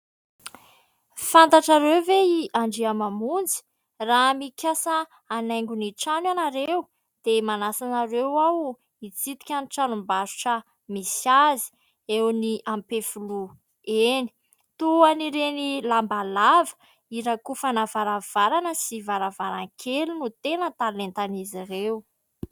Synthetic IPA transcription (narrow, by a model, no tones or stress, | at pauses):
fant̪aʈ͡ʂaɾewveiʔaɳɖ͡ʐiamamund͡zi̥ | ramikʲasə | anajŋɡuniʈ͡ʂanwanaɾew | d̪̥emanasanaɾewaw | it͡sit̪i̥kʲanʈ͡ʂanumbaɾu̥ʈ͡ʂə | misiazi̥ | ewniʔampefulu | eni̥ | t̪uaniɾenilambalavə̥ | iɾakufanavaɾav̥aɾanəsivaɾavaɾaŋkʰʲelunut̪enət̪alent̪anizirew